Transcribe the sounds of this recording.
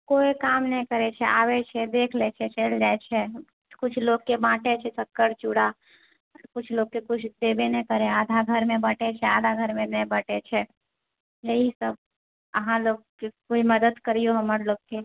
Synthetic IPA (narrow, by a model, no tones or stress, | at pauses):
koːikaːmnəɦĩkəɾet͡ʃʰɛʔaːwet͡ʃʰɛd̪eːkʰlɛt͡ʃʰɛt͡ʃeld͡ʒaːet͡ʃʰɛ | kʊt͡ʃʰloːɡ̚kebãːʈet͡ʃʰɛsəkːəɾt͡ʃuɽa | kʊt͡ʃʰloːɡ̚kekʊt͡ʃʰd̪eːbenəĩkəɾeaːd̪ʱaɡʱəɾmẽbəʈet͡ʃʰɛaːd̪ʱaɡʱəɾmẽnəĩbəʈet͡ʃʰɛ | jəɦisəb̚ | əɦãloːɡ̚kekoːiməd̪əd̪kəɾijoɦəməɾloːɡ̚ke